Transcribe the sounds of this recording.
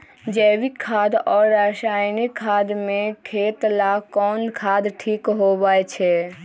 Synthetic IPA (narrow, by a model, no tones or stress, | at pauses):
d͡ʒɛːwikʰːaːd̪ɔːɾːaʃaːjnikʰːaːd̪mẽkʰeːt̪lakɔːnkʰaːd̪ʈʰiːkɦobaːet͡ʃʰɛ